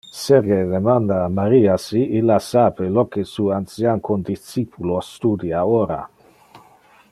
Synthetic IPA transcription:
seɾɡed̪emand̪aːmaɾiːasiʔilasaːpelokesuːant̪sjankʰond̪it͡ʃːipʰulost̪ud̪iaoɾa̰

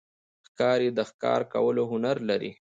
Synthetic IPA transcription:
xkɑɾed̪əxkɑ̰ɾka̰wəloɦʊnaɾlaɾḭ

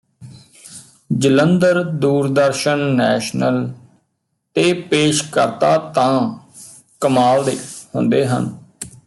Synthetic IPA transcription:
d͡ʒələnd̪əɾd̪uːɾd̪əɾʃənːɛːʃnəl | t̪eːpeːʃkəɾt̪aːt̪ãː | kəmaːld̪eːhʊ̃nd̪eːɦə̰n

